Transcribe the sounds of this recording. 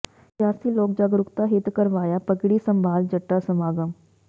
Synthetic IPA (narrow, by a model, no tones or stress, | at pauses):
ʃjaːsiːloːk̚d͡ʒaːɡɾʊkt̪aːɦɪt̪kəɾʋaːjaːpəɡɽiːsəmbʱaːld͡ʒəʈːaːsəmaːɡəm